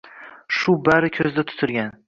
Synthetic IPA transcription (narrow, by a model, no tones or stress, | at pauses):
ʃʊbaɾɪkʲʰɵzd̪at̪ʰʊ̥t̪ʰɪɾɡʲan